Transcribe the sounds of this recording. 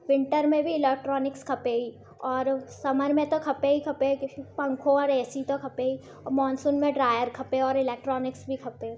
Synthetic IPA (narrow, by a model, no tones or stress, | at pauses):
ʋɪ̃ɳʈəɾmẽbʱiɪleːk̚ʈɾɔːnɪkskʰɐpeːi | ɔːɾsɐməɾmẽt̪okʰɐpeɦikʰɐpepɐ̃ŋkʰõɔːɾɛːsit̪okʰɐpei | ɔmɔːnsuːnmẽɖɾaːjəɾkʰɐpeɔːɾɪleːk̚ʈɾɔːnɪksbʱikʰɐpe